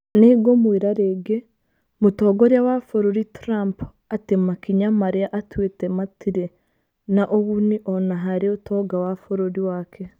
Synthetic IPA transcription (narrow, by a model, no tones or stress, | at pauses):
neɡomwiɾaɾeɡe | mutoːɡoɾjawafoɾoɾitɾamp | atemakiɲamaɾiaʔatwetematiɾe | naʔoβuniʔonaɦaɾiotoɡawafoɾoɾiwaːkʰe